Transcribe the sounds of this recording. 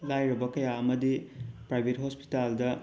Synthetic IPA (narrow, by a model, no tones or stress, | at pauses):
lajɾɐbɐkɐjaɐmɐdipɾajbʱetɦospi̥taldɐ